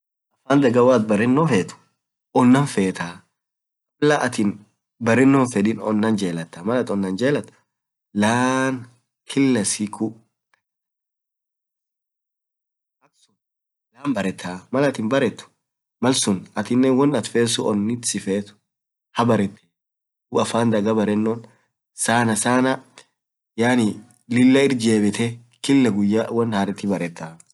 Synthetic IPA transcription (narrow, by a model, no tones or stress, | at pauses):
ʔɐfaːnd̪ɐɡɐwaːt̪bɐɾɪnːoːfeːt̪ʊ̥ | ɔnːɐnfeːt̪aː | mɐlɐʔɐt̪ɪn | bɐɾɪnːoːnfɛᶑɪnɔ̰nːɐnd͡ʒeːlɐt̪ːɐmɐlɐt̪ɔnːɐnd͡ʒeːlɐt̪ːɐ̥ | laːn | kʰɪlːɐsikʰʊ | ɐksʊn | laːmbɐɾɛt̪ʰːaːmɐlɐt̪ɪnbɐɾɛt̪ːʊ̥ | mɐlsʊnɐt̪ɪnːɛwɔnɐt̪feːsʊʔɔnːɪt̪sɪfeːt̪ʊ̥ | hɐbɐɾɛt̪ʰːe̥ | ʊɐfaːnd̪ɐɡɐbɐɾɛnːon | saːnɐsaːnɐ | jaːnɪ | lɪlːɐɪɾd͡ʒeːbɪt̪ɛ | kɪlːɐɡʊjːawɔnhɐɾɛt̪ɪbɐɾɛt̪ːaː